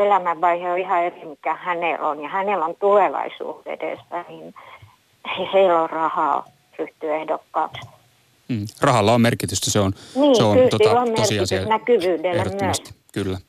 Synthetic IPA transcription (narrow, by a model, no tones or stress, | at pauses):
elæmæʋʋɑiheoihɑerimikːæhænelonjɑhænelont̪uleˑʋɑ̰isṵːt̪ḛdḛˑspænin | eiheilːorrɑhɑ̰ːˑ | ryht̪yehdokːɑːks̩ | rɑhɑlːɑommerkit̪yst̪æseonniːseokylsoilomersikisysnækyʋyːdeltmyøsskylːæ